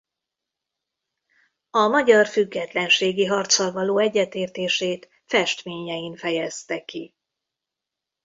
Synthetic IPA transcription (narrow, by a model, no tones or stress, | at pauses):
ɒmɒɟɒrfyɡːɛt̪lɛnʃeːɡiɦɒrt̪sɒlvɒloːɛɟːɛt̪eːrt̪eːʃeːt̪ | fɛʃt̪meːɲɛjiɱfɛjɛst̪ɛki